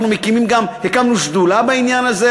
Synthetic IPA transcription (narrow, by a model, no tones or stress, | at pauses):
numekimimɡamhekamnuʃd̪ulabainjanaze